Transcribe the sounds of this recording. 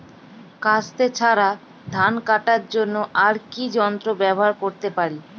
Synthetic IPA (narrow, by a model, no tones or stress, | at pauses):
kast̪et͡ɕʰaɾa | d̪ʱankaʈaɾd͡ʑonːoʔaɾkid͡ʑɔnt̪ɾobɛboɦaɾkoɾt̪epaɾi